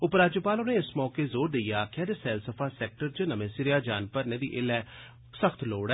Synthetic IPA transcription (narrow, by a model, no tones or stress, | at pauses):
ʊpɾaːd͡ʒupaːlʊnẽːɪsmɔːkeːzoːɾd̪eijaːkʰɪɛːd̪esɛːlsəpʰaːsɛːk̚ʈəɾt͡ʃənəmẽːsɪɾɪjaːd͡ʒaːnpəɾnẽːd̪ḭːʔɪlɛː | səkʰt̪ʰloːɽɛː